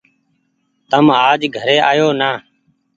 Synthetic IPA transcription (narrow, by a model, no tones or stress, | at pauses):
t̪əmaːd͡ʒɡʱəɾeːʔaːjoːnaː